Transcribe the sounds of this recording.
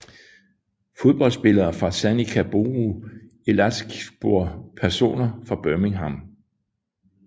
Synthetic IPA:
fo̝ð̞ˠb̥ɒ̽lsb̥e̝lɐːfʁɑ̈sænikʰæb̥o̝ʁu | elæsɡ̥b̥oɐ̰pʰæɐso̝̰ːnɐfʁɑ̈b̥œmiŋɦɑm

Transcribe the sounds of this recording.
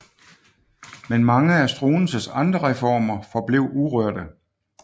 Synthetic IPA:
menmɑ̈ŋəæsd̥ʁuːn̩səsɑ̈nd̥ʁɐʁɛfɒ̰ːmɐfɒ̽b̥le̝ʊuʁœɐ̰ɾ̥ə

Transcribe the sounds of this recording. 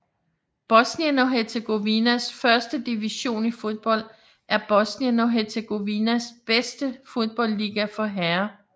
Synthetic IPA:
b̥ɒsniænɒɦeɐt͡sʰeɡ̥o̝ʋinæsfɶɐsd̥əd̥iʋiɕo̝̰ːnifo̝ðˠb̥ɒ̽l̰d̥ | ʔæɐb̥ɒ̽sniænoɦet͡sʰeɡ̥o̝ʋinæsb̥esd̥əfo̝ðˠb̥ɒ̽l̰ːiːɡ̥æfɒ̽ɦæɐ

